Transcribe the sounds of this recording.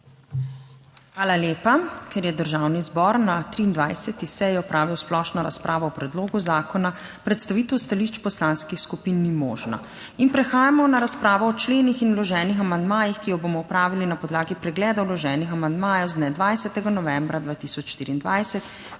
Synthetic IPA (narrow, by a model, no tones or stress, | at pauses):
xʋaːlaljeːpakʰɛɾjɛd̪əɾʒawnizbɔɾnat̪ɾiːnd̪ʋajsɛt̪isɛjɛɔpɾʔaːʋiwsplɔʃnɔɾa̰spɾʔaːʋɔɔpɾɛd̪loːɡuzaːkɔna | pɾɛt̪st̪aʋiːt̪ɛwst̪aliʃt͡ʃpɔslanskixskupinːimɔ̰ːʒna̰ | inpɾɛxaːjamɔnaɾaspɾaːʋɔːt͡ʃleːnixinulɔʒɛːnixamand̪maːjixkijɔboːmɔupɾaːʋilinapɔd̪laːɡipɾɛɡlɛːd̪awlɔʒɛːnixamand̪maːjɛwzd̪nɛd̪ʋajsɛt̪ɛɡanɔʋɛ̃mbɾad̪ʋaːt̪isɔt͡ʃʃt̪iːɾiːnd̪ʋajsɛt̪